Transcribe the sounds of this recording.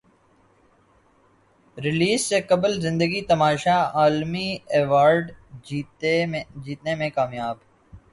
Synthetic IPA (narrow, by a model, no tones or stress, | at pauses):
ɾɪliːzsekɐbəlzɪ̃nd̪əɡit̪ɐmaːʃaaːlmieːʋaːɾɖi | d͡ʒiːt̪nemẽkaːmjaːb